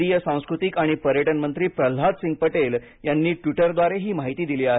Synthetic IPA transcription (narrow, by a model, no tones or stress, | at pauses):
ijəsãw̃skɾut̪ikaɽ̃ipəɾjəʈənmənt̪ɾiːpɾəl̤ɦat̪siŋɡ̚pəʈel | janːiːʈʋiʈəɾd̪ʋaɾeɦiːmaɦit̪iːd̪iliːaɦe